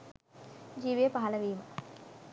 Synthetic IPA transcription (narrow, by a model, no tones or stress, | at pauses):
d͡ʒiːʋijəpaɦɐlɐʋiːmə